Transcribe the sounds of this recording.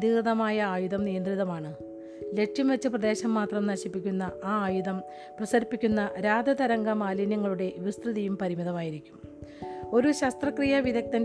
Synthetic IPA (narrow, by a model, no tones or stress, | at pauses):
d̪iɣɐðɐmaːjɐaːjuðɐmnijɐnd̪riðɐmaːɳɨ | le̞ʈʂjɐmʋet͡ɕːɨprɐðe̞ːɕɐmːaːt̪rɐmnɐɕipːikʲːunːɐaːaːjuðɐm | prɐsɐɾipːikʲːunːɐɾaːd̪ɐd̪ɐɾɐŋɡɐmaːlinjɐŋːɐɭuɽe̞ʋist̪rɨðijumpɐɾimiðɐmaːjiɾikʲːum | o̞ɾuɕɐst̪rɐkrijɐʋiðɐk̚t̪ɐn